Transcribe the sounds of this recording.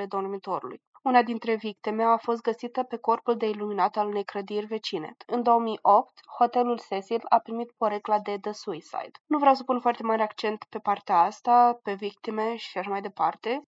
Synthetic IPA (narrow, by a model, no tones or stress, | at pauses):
le̞d̪o̞rmit̪o̞ɾṵlṵj | unad̪int̪ɾe̞vik̚t̪ime̞afo̞s̬t̪̚ɡəsit̪əpe̞ko̞rpuld̪e̞iluminat̪alune̞jkɾəd̪irʲve̞t͡ʃinḛɨnd̪o̞omio̞pt̪ho̞t̪e̞lulsesilapɾimit̪po̞ɾeklad̪e̞d̪əsuisa̰jd̪̥nuvɾawsəpunfoart̪e̞maɾeakt͡ʃe̞nt̪pe̞part̪eaast̪ape̞vik̚t̪ime̞ʃi̥aʃamajd̪e̞part̪e̞